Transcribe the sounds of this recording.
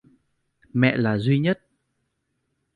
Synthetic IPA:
mɛ̰˧˨laː˨˩zwi˧ɲə˦˥t̚

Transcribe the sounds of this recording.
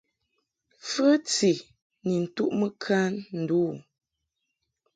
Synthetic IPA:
fə˦t͡si˨ | ni˨n̩˨tu˦ʔmə˦kʰa˦nn̩˨duː˦˨

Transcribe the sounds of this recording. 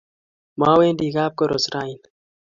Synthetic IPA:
ma˦weː˦ndiː˨ɣaː˦p̚ko˨ɾo˨sɾajin

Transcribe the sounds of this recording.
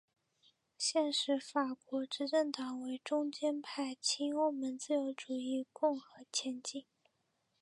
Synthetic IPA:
ɕjɛ˥˧nʂɻ̩˧˥fa˨˩kwɔ˧˥ʈ͡ʂɻ̩˧˥ʈ͡ʂə˥˩ŋt̪ɑ˨˩ŋwe˧˥ɪʈ͡ʂʊ˥ŋt͡ɕjɛ˥npʰa˥˩ɪt͡ɕʰi˥ŋo˥ʊmə˧˥nt͡sɹ̩˥˩jo˧˥ʊʈ͡ʂu˨˩i˥˧kʊ˥˩ŋxɤ˧˥t͡ɕʰjɛ˧˥nt͡ɕi˥˩ŋ

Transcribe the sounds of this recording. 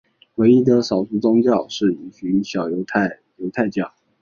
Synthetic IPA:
we˧˥ɪi˥d̪ə˨ʂɑ˨˩ʊt͡su˥˩t͡sʊ˥ŋt͡ɕjɑ˥˧ʊʂɻ̩˥˩i˧˨˩ɕy˧˥nɕjɑ˨˩ʊjo˧˥t̪ʰa˥˩ɪ | jo˧˥ʊt̪ʰa˥˧ɪt͡ɕjɑ˥˩ʊ

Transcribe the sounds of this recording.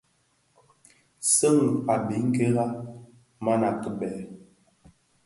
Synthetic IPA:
sə˦ŋ˨a˨bi˨˦ŋ̩˦ke˦ɣa˦ | ma˦na˨kə˨bɛ˨

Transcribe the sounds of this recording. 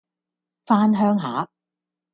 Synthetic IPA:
faː˥nɦœː˥ŋɦaː˨˥

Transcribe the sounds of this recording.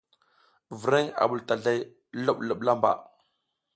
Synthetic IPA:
və˨ɾe˦ŋa̰˨ɓu˨lta˨ɮa˦j | lo˦ɓlə˦˨ɓla˦mba̰˨

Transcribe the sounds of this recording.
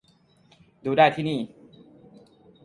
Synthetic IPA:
duː˧daː˥˩jt̪ʰiː˥˩niː˥˩

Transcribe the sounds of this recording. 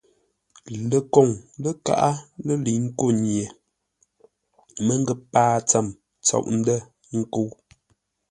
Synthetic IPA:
lə˨kɔ˦˨ŋlə˦ka̰˦˨ʔa˦lə˦li˨ŋ̩˦ko˦˨ɲje˨ | mə˦ŋ˦ɡə˦paː˦t͡sə˦˨m | t͡sɔ̰˨ʔn̩˦də˦˨ | ŋ̩˦ku˦

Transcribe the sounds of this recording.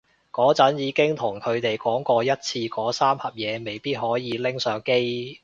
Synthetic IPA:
kɔː˨˥t͡sɐ˨˥njiː˨˧kɪ˥ŋt̪ʰʊ˨˩ŋkʰɵ˨˧ɥt̪e˨jkɔː˨˥ŋkɔː˧jɐ˥t̚t͡sʰiː˧kɔː˨˥saː˥mhɐ˨p̚jɛː˨˧me˨jpiː˥t̚hɔː˨˥jiː˨˧lɪ˥ŋsœː˨˥ŋke˥j

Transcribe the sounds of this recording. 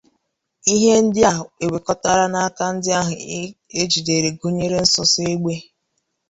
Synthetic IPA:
i˦ɦe˦n̩˦dɪ˦a˦ɦʊ˨e˨we˨kɔ˦ta˦ɾa˦na˦a˦ka˦n̩˦dɪ˦a˦ɦʊ˨˦e˦d͡ʒi˨de˨ɾe˨ɡu˦ɲe˦ɾe˦n̩˦sʊ˦se˦ɡ͡be˦

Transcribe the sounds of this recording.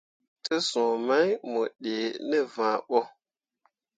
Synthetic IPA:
tə˦sõ˨ma˦jmo˨ɗe˨nə˦vã˨ɓɔ˦

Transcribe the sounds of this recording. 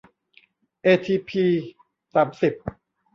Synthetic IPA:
ʔeː˧t̪ʰiː˧pʰiː˧ | saː˩˦msi˨˩p̚

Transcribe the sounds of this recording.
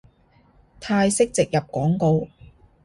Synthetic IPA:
t̪ʰaː˧jsɪ˥k̚t͡sɪ˨k̚jɐ˨p̚kɔː˨˥ŋko˧w

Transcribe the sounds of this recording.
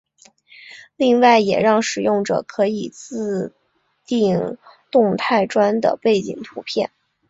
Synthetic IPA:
li˥˧ŋwa˥˩ɪjɛ̰˨˩ɻɑ˥˩ŋʂɻ̩˨˩jʊ˥˩ŋʈ͡ʂɤ̰˨˩kʰɤ˧˥i˨˩t͡sɹ̩˥˧ | t̪i˥˧ŋt̪ʊ˥˧ŋt̪ʰa˥˧˩ɪʈ͡ʂwa˥nd̪ə̰˨pe˥˩ɪt͡ɕḭ˨˩ŋt̪ʰu˧˥pʰjɛ˥˩n

